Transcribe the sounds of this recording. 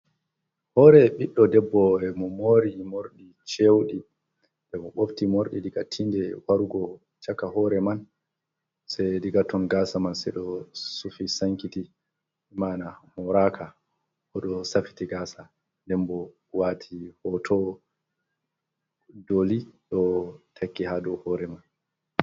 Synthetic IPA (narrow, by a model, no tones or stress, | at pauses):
hɔːɾɛɓiɗːɔdɛbːɔɛmɔmoːɾimoɾɗi | t͡ʃewɗi | bɛmɔɓoftimoɾɗidiɡatʰindɛwaɾuɡɔ | t͡ʃakːahɔːɾɛman | sɛjdiɡatɔnɡasamansɛɗɔsufisaŋkiti | manamɔɾakʰa | ʔɔɗɔsafi̥tiɡaːsa | ndɛnbɔ | watʰihɔtʰɔ | doliɗɔtʰakːihadɔhɔɾɛman